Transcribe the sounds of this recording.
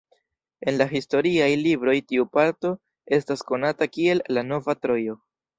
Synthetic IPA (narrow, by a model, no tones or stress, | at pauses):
e̞nlaɦisto̞ɾiajlibɾo̞jtiupaɾto̞ | e̞stasko̞natakie̞lːano̞vatɾo̞jo̞